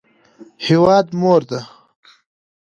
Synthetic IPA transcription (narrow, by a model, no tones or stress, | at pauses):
hiwɑːd̪moːɾd̪a